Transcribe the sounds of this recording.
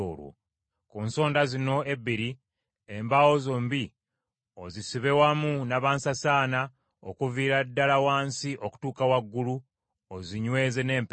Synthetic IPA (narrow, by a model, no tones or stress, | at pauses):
o̰lwo̰ | kuːnso̞ːndazino̞eβiɾi | embawo̞zoːmbi | ozisiβe̞wamunaβaːnsasaːna | okuviːɾadːalawaːnsiʔoku̥tuːkawaɡːulu | oziɲwe̞ːze̞ne̞ːmp